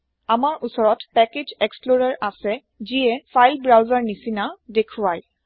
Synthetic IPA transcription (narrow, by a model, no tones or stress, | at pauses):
amaɹʔusɔɹɔtpɛked͡ʒeksploɹaɹʔasɛ | ziɛfʰajlbɹawzaɹnisinadekʰuwaj